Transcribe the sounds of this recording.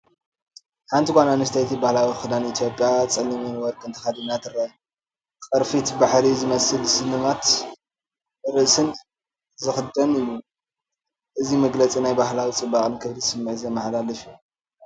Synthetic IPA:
ħant̪ʰikʷananɨst̪ʰɐjt̪ʰibahlawixɨd̪anit̪ʰjo̞pʼːjat͡sʼɐlːɐmenwɔɾkʰʼɨnt̪ʰɐ̥xad̪inːat̪ʰɨrːaj | kʼɐɾfit̪baħɾizɨmɐsɨlsɨnɨmat̪ | ɨɾɨʔsɨn | zɨxɨd̪ɐnɨjːu | ʔɨzimɐɡlɐt͡sʼinajbaɦlawit͡sʼɨbakʼɨnkʰɨβlisɨmːɨʕzemɐħlalɐʃu

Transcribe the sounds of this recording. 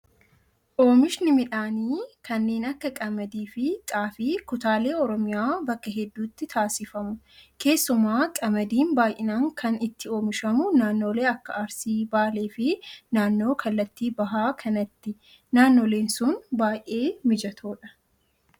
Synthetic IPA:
ʔo̞ːmɪʃnɪmɪᶑaːniːkʰɐnːe̞ːnɐkːɐkʼɐmɐd̪iːfɪtʼaːfɪkʊt̪aːle̞ːɔɾɔmɪjaːbɐkːɐɦɛd̪ːuːt̪ːɪt̪ʰaːsɪfɐmʊ | kʰe̞ːsːʊmaːkʼɐmɐd̪iːnbaːjʔɪnaːŋkʰɐnɪt̪ʰːɪo̞ːmɪʃɐmʊnaːnːo̞ːle̞ːɐkːɐɐɾsiːbaːle̞ːfɪnaːnːo̞ːkʰɐlːɐt̪ːiːbɐɦaːkʰɐnɐt̪ːɪ | naːnːo̞ːle̞ːnsʊnbaːjʔe̞ːmɪd͡ʒɐt̪ʰoːᶑɐ̥

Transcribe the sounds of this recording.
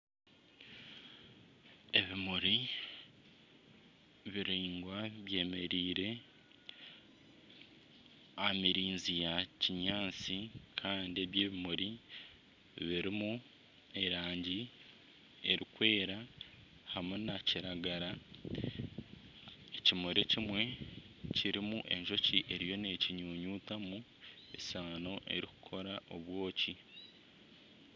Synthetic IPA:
e̞βimuɾi | βiɾiːŋɡwaβje̞ːme̞ɾiːɾe̞ | amiɾiːnzijaciɲaːt͡sikʰaːndie̞βjeːβimuɾi | βiɾimu | e̞ɾaːɲɟi | e̞ɾikwe̞ːɾa | hamunaciɾaɡaɾa | ecimoɾecimwe̞ | ciɾimuʔe̞ɲʒo̞ciʔe̞ɾijo̞ne̞ciɲuːɲuːtamu | esaːno̞ʔe̞̰ɾiku̥kʰo̞ɾaʔo̞βwo̞ːci

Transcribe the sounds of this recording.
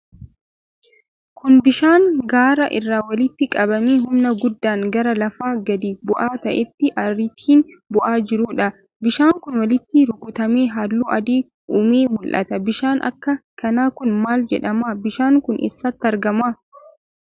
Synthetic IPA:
kʊnbɪʃaːŋɡaːɾɐʔɪrːaːwɐlɪt̪ːɪkʼɐbɐmeːɦʊmnɐɡʊd̪ːaːŋɡɐɾɐlɐfaːɡɐd̪iːbʊʔaːt̪ɐʔɛt̪ːɪʔɐrɪt̪ʰiːnbʊʔaːd͡ʒɪɾuːᶑɐ | bɪʃaːŋkʊnwɐlɪt̪ːɪɾʊkʊt̪ɐmeːɦaːlːuːʔɐd̪iː | uːmeːmʊlʔɐ̰t̪ɐbɪʃaːnʔɐ̰kːɐkɐnaːkʊnmaːld͡ʒɛ̰ᶑɐmaːbɪʃaːŋkʊnʔɛ̰sːɐt̪ːɪɐɾɡɐmaː

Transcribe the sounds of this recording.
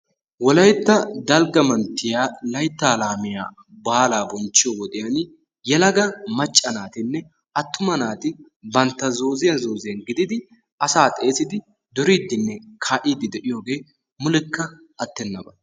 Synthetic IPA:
wɔlɐjt̪ːɐd̪ɐlɡɐmɐnt̪ːɪjaːlɐjt̪ːaːlaːmɪja̰ː | baːlaːbɔnt͡ʃːɪjɔwɔt̪ɪjɐn | jɛlɐɡɐmɐt͡ʃʼːɐnaːt̪ɪnːɛ | ʔɐt̪ːʊmɐnaːt̪ɪ | bɐnt̪ːɐzo̞ːzɪjɐzo̞ːzɪjɐnɡɪd̪ɪd̪ɪ | ʔɐsaːt̪ʼe̞ːsɪd̪ɪ | d̪ɔɾiːd̪ːɪnːɛkʰaːʔiːd̪ɪd̪ɛʔɪjo̞ːɡe̞ː | mʊlɪkːɐ | ɐt̪ːɛnːɐbɐ

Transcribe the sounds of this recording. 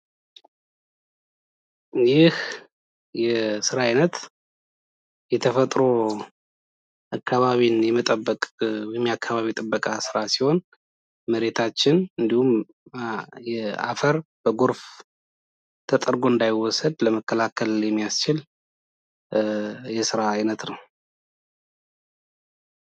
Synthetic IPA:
jɪh | jɛsɨɾaɪnət̪ | jɛt̪ʰəfət̪ʼɾo̞ | ʔakʰːaβaβinjɛmət̪ʼəbːəkʼjɛmːijakʰːaβaβit̪ʼəbːəkʼasɨɾasiho̞n | məɾe̞t̪ʰat͡ʃːɪnɨnd̪ihum | jɛa̰fəɾb̥əɡoɾf | t̪ʰət̪ʼəɾɡo̞ɨnd̪ajɪwːɔsəd̪ləməkːəlakʰəljɛmːijast͡ʃɪl | jɛsɨɾaːjnət̪nəw

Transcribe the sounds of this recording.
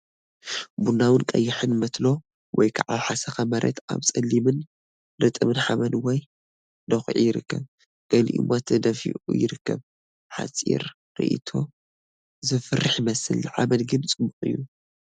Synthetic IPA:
bundawɨnkʼɐ̰jːɪħɨnmɐt̪lo̞ | wʔɔjkʰaʕaħasɐxɐmɐɾʔɐ̰t̪ʰaβt͡sʼɐlːimɨn | dɐt̪ʼɨmɨnħaβɐnwɔj | d̪ɐxʕḭjɪɾɨkːɐβ | ɡ̥ɐliʔɨ̰mot̪ʰɐd̪ɐfḭʔṵjɪɾɨkːɐβ | ħa̰t͡sʼḭɾ | ɾḭʔḭt̪ʰo̞ | zɨfɨrːɨħmɐsɨlʕaβɐnɡɨnt͡sʼɨbuχʼɨjːu

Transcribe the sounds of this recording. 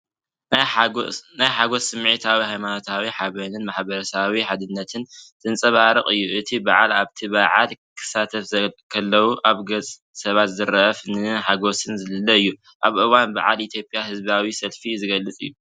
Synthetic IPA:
najħaɡo̞sɨmʕit̪ʰawihajmano̞t̪ʰawiħaβɐnɨnmaħbɐɾɐsawiħad̪ɨnːɐt̪ʰɨnt̪ʰɨnt͡sʼɐβaɾɨχʼɨjːuʔɨt̪ʰibaʕa̰laβt̪ʰiβaʕa̰lkʰɨ̥sat̪ʰɐfɐkʰɐlːɐwuʔaβɡɐt͡sʼ | sɐβat̪zɨɾɐfnɨħaɡo̞sɨnzɨlɨlːɐɨjːu | ʔaβʔɨwanba̰ʕa̰lit̪ʰjo̞pʼjahɨzbawisɐlfizɨɡɐlːɨt͡sʼɨ̰jːu

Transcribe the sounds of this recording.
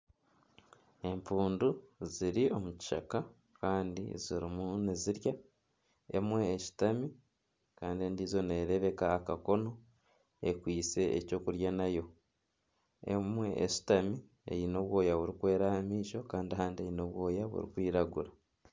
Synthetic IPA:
e̞mpuːnduziɾio̞muci̥ʃa̰ka | kaːndḭziɾimuniziɾja | e̞̰mwe̞ːʃi̥tami | kaːndieːndizo̞ne̞ɾe̞βe̞kaːkako̞no̞ | ekwiːse̞ːco̞ːkuɾjanajo̞ | ḛmwe̞ʔḛʃi̥tami | ḛjino̞βwo̞ːjaβuɾikwe̞ːɾahamiːʃo̞kaːndihaːndie̞jino̞βwo̞ːjaβṵɾḭkwiːɾaɡuɾa

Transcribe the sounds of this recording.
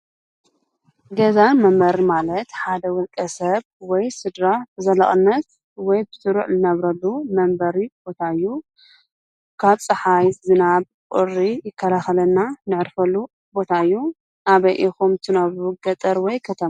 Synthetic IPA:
ɡɐzamɐmbɐɾimalɐt̪ħad̪ɐwɔlkʼɐsɐβwɔjsɨd̪ɾazɐlɐχʼɨnːɐt̪ | wɔjbɨsɨɾuʕzɨnɐβɾɐlːumɐmbɐɾib̥o̞t̪ʰaɨjːu | kʰaβsʼɐħajzɨnaβ | kʼʊrijɪkʰːɐlaxɐlɐnːanɨʕɨɾfɐlːu | bo̞t̪ʰaɨjːu | naβɐjʔixumt̪ʰɨnɐβɾuɡɐt̪ʼɐɾwɔjkʰɐt̪ʰɐma

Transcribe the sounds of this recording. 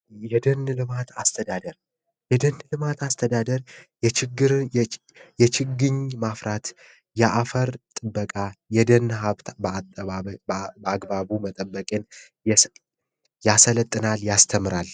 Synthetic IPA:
jɛd̪ənlɨmat̪ʰast̪ʰəd̪ad̪əɾ | jɛd̪ənːlɨmat̪ast̪ʰəd̪ad̪əɾjɛt͡ʃʰɪɡːɨɾ | jɛt͡ʃʰɪɡɨɲmafɾat̪ | jɛʔafəɾt̪ʼɨbːəkʼajɛd̪ənhaβbat̪ʼəabəaɡbaβumət̪ʼəbːəkʼen | jasələt̪ʼːɨnaljast̪ʰəmɨɾal

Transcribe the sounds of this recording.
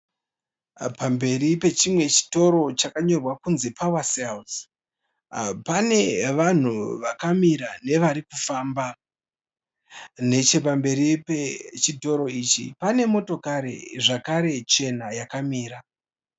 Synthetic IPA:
pambe̞ripe̞t͡ʃimwe̞t͡ʃi̥to̞ɾo̞t͡ʃakaɲo̞rwakunzepawasels | pane̞ʋan̤uʋakamiɾane̞ʋaɾikufaːmba | ne̞t͡ʃe̞p̬ambe̞ɾipet͡ʃito̞ɾo̞iːt͡ʃḭpane̞mo̞to̞kaɾe̞̰ʐakaɾe̞t͡ʃe̞najakamiːɾa

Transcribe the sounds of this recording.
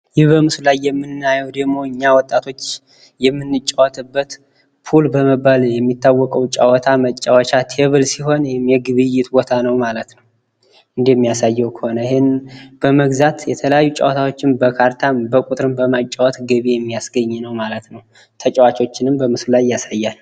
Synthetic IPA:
jɪhbəmɨslajːɛmːɨnːajɛwd̪əɡmo̞ɨɲːawɔt̪ʼːat̪ʰo̞t͡ʃː | jɛmːɨnːɨt͡ʃʼːawɔt̪ʰɨbːət̪ | pʰulbəməbaljɛmːit̪ːawːɔkʼəwt͡ʃʼawɔt̪ʰamət͡ʃʼːawat͡ʃʰat̪ʰeβɨlsiɦo̞nwɪmjɛɡɨβɨjːɪt̪bo̞t̪ʰanəwmalət̪nəw | ɨnd̪jɛmːijasajːɛwkʰə̥honəɪhenb̥əməɡzat̪jɛt̪ʰələjajːut͡ʃʼa̰wt̪ʰawo̞t͡ʃːɪnbəkʰaɾt̪ʰanbəkʼut̪ʼɾɨmbəmat͡ʃʼːawɔt̪ɡɨβejɛmːijasɡəɲːnəwmalət̪nəw | t̪ʰət͡ʃʼəwat͡ʃo̞t͡ʃːɪnɨmbəmɨslulajːasajːal

